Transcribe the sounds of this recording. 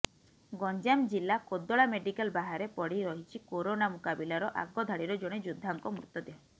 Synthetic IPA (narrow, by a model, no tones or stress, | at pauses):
ɡɔɲd͡ʒamd͡ʒilːakod̪ːɔɭameɖikalbaɦaɾepɔɽiɾɔɦit͡ʃʰikoɾonamukabilaɾɔʔa̰ɡɔd̪ʱaɽiɾɔd͡ʒoɽ̃ed͡ʒud̪ʱːaŋkɔmɾut̪ːɔd̪e